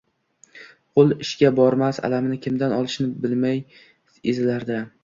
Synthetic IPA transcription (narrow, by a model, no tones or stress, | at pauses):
qʰolˠɪʃɡʲabɒɾmasa̰lamɪnɪkʲʰɪmd̪anɒlˠɪʃnɪbɪlmaj | ezlaɾd̪a